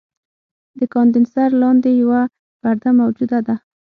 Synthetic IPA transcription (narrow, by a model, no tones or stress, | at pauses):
d̪əkɑnd̪ɪnsaɾlɑnd̪ejawa | paɾd̪amawd͡ʒud̪ad̪a